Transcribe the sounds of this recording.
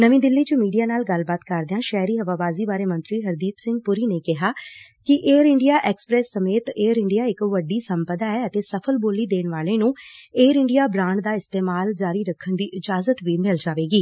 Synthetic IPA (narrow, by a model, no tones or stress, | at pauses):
nəʋĩːd̪ɪlːiːt͡ʃəmiːɖijaːnaːlɡəlbaːt̪kəɾd̪eãːʃɛːɾiːɦəʋaːbaːziːbaːɾeːmə̃nt̪ɾiːɦəɾd̪iːpsɪ̃ŋɡ̚pʊɾiːneːkɪɦaː | kɪʔeːɾɪɳɖijaːʔɛːkspɾɛːsːəmeːt̪eːəɾɪɳɖijaːɪkʋəɖiːsəmpəd̪aːɛːət̪eːsəpʰəlboːliːd̪eːɳʋaːleːnũːeːɾɪɳɖijaːbɾãːɳɖd̪aːɪst̪eːmaːld͡ʒaːɾiːɾəkʰːənd̪iːʔɪd͡ʒaːzət̪ʋiːmɪld͡ʒaːʋeːɡiː